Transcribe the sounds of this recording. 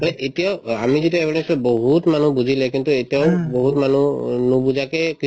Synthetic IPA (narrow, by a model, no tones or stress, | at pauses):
alɛʔetijaʊa̰mizitiaɛbʱaɹɛnsɔboɦutmanubuzʱilɛkintuetijaʊboɦutmanunubuzakɛki